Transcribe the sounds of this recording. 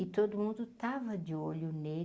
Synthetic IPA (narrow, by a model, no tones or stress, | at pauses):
ɪt̪od̪ʊmũnd̪ʊt̪avɐd͡ʒɪolʊne